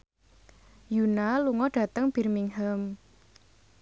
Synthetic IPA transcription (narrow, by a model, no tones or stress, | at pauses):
junaluŋɔɖ̥ä̤t̪əŋb̥i̤rmiŋɦəm